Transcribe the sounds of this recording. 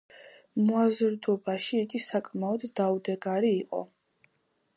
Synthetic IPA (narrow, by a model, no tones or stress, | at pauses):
muazɾd̪ɔbaʃiːɡisakʼmaɔd̪ːaud̪ɛɡaɾiːqʼɔ̰